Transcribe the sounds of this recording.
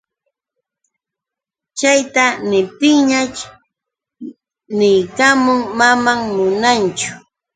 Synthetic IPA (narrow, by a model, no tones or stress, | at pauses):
t͡ʃajt̪anɪp̚t̪ɪŋɲat͡ʃ | nɪjkamʊŋmamaŋmʊnant͡ʃʊ̥